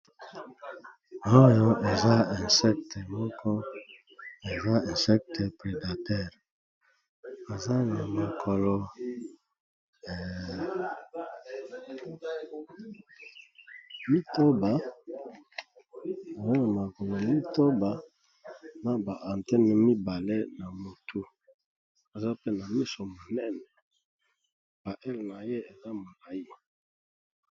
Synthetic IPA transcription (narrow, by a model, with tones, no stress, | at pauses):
o˦jɔ˦e˨za˦ɛ˨nsɛ˦k̚tɛ˨mɔ˦kʰɔ˦ | e˨za˦ɛ̃˨sɛ˦k̚tɛ˨pʁe˨da˨tɛ˦˨ʁ | e˨za˦na˨ma˨kʰɔ˨lɔ˨ | mi˦to˦ba˦ | e˨za˦na˨ma˨kɔ˨lɔ˨mi˦to˦ba˨ | na˦ba˨ʔa˨ntɛ˦nɛ˨mi˦ba˨le˦na˨mo˨tʰu˦ | e˨za˦pe˦na˨mi˦so˨mo˨nɛ˦nɛ˨ | b̥a˨ʔɛ˦lna˨je˦e˨za˦mo˨la˨i˦